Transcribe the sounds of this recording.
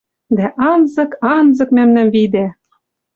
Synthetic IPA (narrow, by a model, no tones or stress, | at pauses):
d̪æʔɑnzɤ̆kɑnzɤ̆kmæmnæmvid̪æ